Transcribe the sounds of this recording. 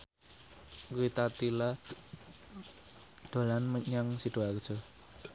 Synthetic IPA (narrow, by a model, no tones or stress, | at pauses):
ɡuit̪at̪ila | d̪̥o̤lanməɲaŋsiɖ̥o̤akə̥ʒ̥ɔ